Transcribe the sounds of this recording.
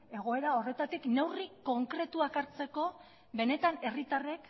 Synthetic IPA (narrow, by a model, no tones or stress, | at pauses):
e̞ɣ̞o̞e̞ɾao̞re̞t̪at̪ikne̞wriko̞ŋkɾe̞t̪uakaɾt͡se̞ko̞ | βe̞ne̞t̪ane̞rit̪are̞k